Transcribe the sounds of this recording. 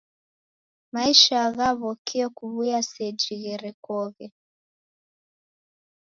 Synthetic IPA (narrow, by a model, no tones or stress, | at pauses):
maiʃaːɣaβɔkiɛkuβujasɛd͡ʒiɣɛɾɛkɔɣɛ